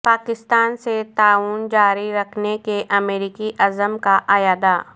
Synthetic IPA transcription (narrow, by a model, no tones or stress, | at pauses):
paːkɪst̪aːnset̪aːuːnd͡ʒaːɾiɾɐkʰnekeʔɐmeːɾiːkiʔɐzəmkaʔɐjaːd̪aː